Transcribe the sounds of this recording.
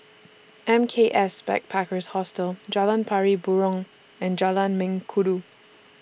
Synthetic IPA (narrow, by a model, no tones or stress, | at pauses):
ɛ̃mkʰeʔɛsbɛ̰k̚pʰakəshɔstəld͡ʒalãnpʰaɹibuɹɔ̃ŋ | ɛ̃nd͡ʒalãnmɪ̃ŋkʰudu